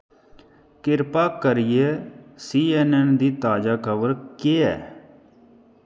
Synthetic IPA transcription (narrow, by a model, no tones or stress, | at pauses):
kɪɾpaːkəɾɪjeːsiːɛːnɛnd̪iːt̪aːd͡ʒaːkʰəʋəɾkeːɛ̰ː